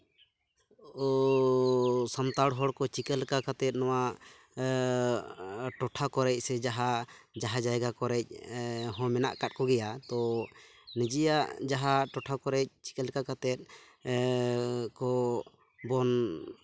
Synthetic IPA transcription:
ɔ | samt̪aɽɦɔɽkɔt͡ʃikɛlkakat̪ɛt̪̚ˀnɔwa | ʈɔʈʰakɔɾɛc̚sɛd͡ʒaɦad͡ʒaɦad͡ʒajɡakɔɾɛc̚ˀɦɔ̃mɛna̰ʔkat̪̚kɔɡɛjat̪ɔ | nid͡ʒijaʔd͡ʒaɦaʈɔʈʰakɔɾɛc̚t͡ʃi̥kɛlkakat̪ɛt̪̚ˀ | kɔ | bɔn

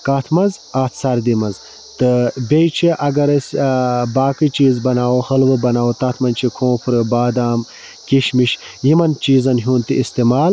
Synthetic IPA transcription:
kaːt̪ʰmɐzaːt̪ʰsɐɾd̪imɐz | t̪ɨbʲejt͡ʃʰiʔɐɡɐɾɐsʲbaːkɨt͡ʃiːzbɐnaːwohɐlʋɨbɐnaːwot̪ɐt̪ʰmɐnt͡ʃʰikʰõːpʰɾɨbaːd̪aːm | kiʃmiʃ | jimɐnt͡ʃiːzɐnɦuːnt̪iʔist̪imaːl

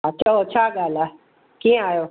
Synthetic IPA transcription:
atːʃʰaot͡ʃʰaːɡaːla | kĩaːjoː

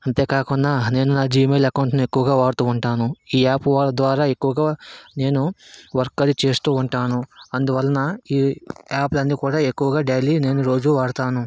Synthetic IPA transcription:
ɐnt̪e̞ːkaːkuɳːaːne̞ːnunaːd͡ʒiːmeːlɐkɐʋuɳʈnue̞kːuʋɐɡaːʋaːɽut̪uːuɳʈaːnuiːaːpʋaːlːɐd̪ʋaːɾaːe̞kːuʋɐɡaːne̞ːnuʋɐɾkːɐd̪it͡ʃe̞ːst̪uːuɳʈaːnuɐnd̪uʋɐlːɐnɐiːaːplɐnːiːkuːɽaːe̞kːuʋɐɡaːɖeliːne̞ːnuɾo̞ːd͡ʒuʋaːɽt̪aːnu

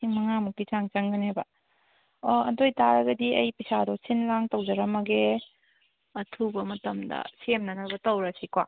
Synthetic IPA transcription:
iŋmɐŋamukːit͡ʃaŋt͡ʃɐŋɡɐnejbɐ | ɐ̰dojtaɾɐɡɐdiɐ̰jpisadɔsinlaŋtɐwd͡ʒɐɾɐmɐɡe | ɐtʰubɐmɐtɐmdɐ̰semnɐnɐbɐtɐwɾɐsikwa̰

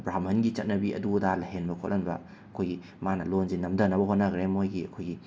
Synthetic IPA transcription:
bɾamhɐnɡit͡ʃɐt̚nɐbiʔɐ̰dudalɐɦenbɐkʰotlʔɐnbɐ̰ | ɐkʰojɡi | manɐlonzinːɐmdɐnɐbɐɦot̚nɐɡɾemojɡiɐ̰kʰojɡi

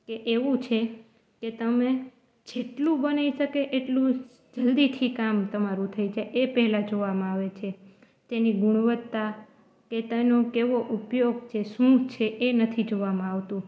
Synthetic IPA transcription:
keʔeʋũt͡ʃʰe | ket̪əme | d͡ʒeʈlũbənaiʃəkeʔeʈlũ | d͡ʒəld̪it̪ʰikamt̪əmaɾũt̪ʰəid͡ʒeʔepəɦlad͡ʒoʋamãaʋet͡ʃʰe | t̪eniɡuɽ̃ʋət̪ːa | ket̪enokeʋoʔupjoɡt͡ʃʰeʃũt͡ʃʰeenət̪ʰid͡ʒoʋamãaʋt̪ũ

